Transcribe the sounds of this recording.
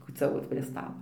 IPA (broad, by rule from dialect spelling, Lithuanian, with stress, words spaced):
kuːt͡sʲɛˈʋoːt pʲrʲiɛ stɐlˠoː